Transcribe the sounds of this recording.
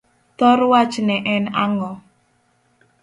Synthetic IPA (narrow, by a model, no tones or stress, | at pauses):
t̪ɔrwḁt͡ʃənɛʔɛnaŋɔ